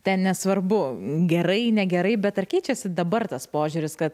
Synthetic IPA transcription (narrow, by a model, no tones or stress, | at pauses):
t̪ʲɛnnʲɛsʋɐrbʊɡʲɛɾɐɪnʲɛɡʲɛɾɐɪbʲɛt̪ɐrkʲɛɪt͡ʃʲɛsʲɪd̪ɐbɐrt̪ɐspoːʒʲʊɾʲɪskɐt̪